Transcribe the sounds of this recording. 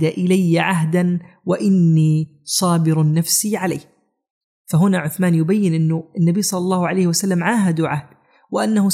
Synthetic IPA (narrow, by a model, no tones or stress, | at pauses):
d̪aʔɪlajːaʕaɦd̪anwaʔɪnːiː | sˤɑːbɪɾnːafsiʕalajːh | faɦʊnaʕʊθmaːnjʊbajːɪnʔɪnːʊɪnːabijːsˤɑlːɑlˤːɑːhʊʕalajhwasalːamʕaːɦad̪uʕahd̪̥ | wɪʔanːahʊ